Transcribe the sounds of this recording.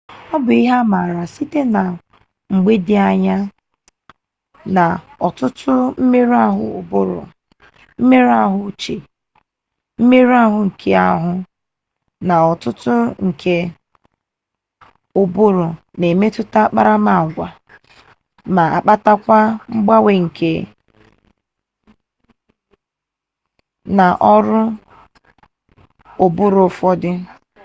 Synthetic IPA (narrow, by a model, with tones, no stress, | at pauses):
ɔ˦bʊ˨i˦ɦa˦ma˨ɾa˨si˦te˦na˨ | ŋ͡m̩˨ɡ͡be˦dɪ˦a˨ɲa˦ | na˨ | ɔ˨tʊ˦tʊ˦m̩˦me˦ɾa˦ɦʊ̰˨ʊ̰˨bʊ˦ɾʊ̰˨ | m̩˦me˦ɾa˦ɦʊ˦t͡ʃe˨ | m̩˦me˦ɾa˦ɦʊ˨ŋ̩˨kʰe˦a̰˦ɦʊ˦ | na˨ɔ˨tʊ˦tʊ˦ŋ̩˨kʰe˦ | o˨bʊ˦ɾʊ˨ | ne˨me˦tʊ˦ta˦k͡pa̰˦ɾa˦ma˨ɡʷa˨ | ma˨a̰˨k͡pa˦ta˦kʷa˦ŋ͡m̩˦ɡ͡ba˦we˦ŋ̩˨kʰe˦ | na˨ʔɔ˦ɾʊ˦ | o˨bʊ˦ɾo˨fɔ˦dɪ˦